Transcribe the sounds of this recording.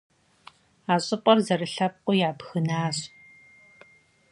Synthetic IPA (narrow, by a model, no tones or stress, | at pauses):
aːɕʼɪpʼɐrzɐɾɨɬɐp̚qʷʼʊjaːbxɨnaːɕ